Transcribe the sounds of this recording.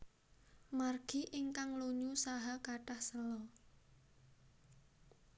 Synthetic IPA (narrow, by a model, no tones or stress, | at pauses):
marɡ̥i̤ʔiŋkaŋluɲusaɦakaʈahsəlɔ